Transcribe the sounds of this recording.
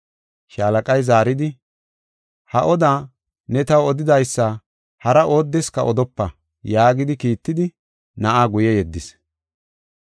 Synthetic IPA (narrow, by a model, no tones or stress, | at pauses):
ʃaːlɐkʼɐjzaːɾɪd̪ɪ | hɐʔɔd̪aː | nɛt̪ɐwɔd̪ɪd̪ɐjsːɐ | hɐɾɐʔo̞ːd̪ːɪskɐ̰ʔɔd̪ɔpːɐ | jaːɡɪd̪ɪkiːt̪ːɪd̪ɪ | nɐʔaːɡʊjɛjɛd̪ːɪs